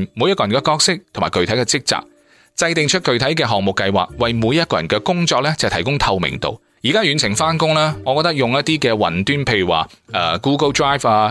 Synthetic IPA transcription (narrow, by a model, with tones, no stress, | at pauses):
mu˨˧jɐ˥kɔː˨ɐ˨nkɛː˧kɔː˧k̚sɪ˥k̚t̪ʰo˨˩maː˨˩jkɵ˨ɥt̪ʰjkɛ˧t͡sɪ˥k̚t͡sa̰ː˨k̚ | t͡sɐ˧jt̪ɪ˨˧ŋt͡ʃʰɵ˥t̚kɵ˨ɥt̪ʰɐ˨˥jkɛː˧ɦɔː˨ŋ̚mʊ˨kːɐ˧jwa̰ː˨˩k̚wɐ˨jmuː˨˧jːɐ˥t̚kɔː˧jɐ˨˩nkɛː˧kʊ˥ŋt͡ʃɔː˧k̚lɛː˥t͡sɐ˨t̪ʰɐ˨˩jkʊ˥ŋt̪ʰɐ˧wmɪ̰˨˩ŋt̪o̰˨w | jiː˨˩kaː˥jyː˨˧nt͡sʰɪ˨˩ŋfaː˥nkʊ˥ŋlaː˥ŋɔː˨˧kɔː˧k̚t̪ɐ˥k̚jʊ˨ŋjɐ˥t̚t̪iː˥kɛː˧wɐ̰˨˩nt̪yː˥npʰe˧jy˨˩wa̰ː˨ʔɐː˧kuː˥kə˥ltɹaː˥˩jfaː˧